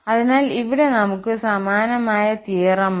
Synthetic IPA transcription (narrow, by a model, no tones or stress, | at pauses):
ɐðinaːliʋiɽe̞nɐmukːɨsɐmaːnɐmaːjɐt̪iːɐrɐm